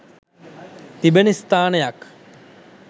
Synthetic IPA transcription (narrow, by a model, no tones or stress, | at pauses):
t̪ibenist̪aːnejak